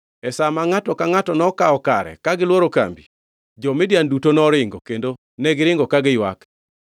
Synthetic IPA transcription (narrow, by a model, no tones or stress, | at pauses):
ɛsamaŋatɔkaŋatɔnɔkaɔka̰ɾɛ̰kaɡɪlwoɾoka̰mbi | d͡ʒɔmɪdjandutonɔɾɪŋɡɔ̰kendo | nɛɡɪɾɪŋɡɔkaɡɪjwa̰k